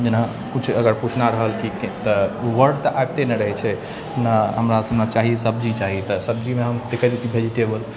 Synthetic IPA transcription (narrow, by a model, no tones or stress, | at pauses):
d͡ʒena | kut͡ʃʰəɡəɾput͡ʃʰnaɾəɦəlkiket̪əʋəɾɖt̪əʔaeb̚t̪eneɾəɦɛt͡ʃʰɛ | naɦəmɾasəbnat͡ʃaɦiesəbd͡ʒit͡ʃaɦit̪əsəb̚d͡ʒimeɦəmd̪ekʰəd̪et͡ʃ̪ʰibʱed͡ʒiʈebəl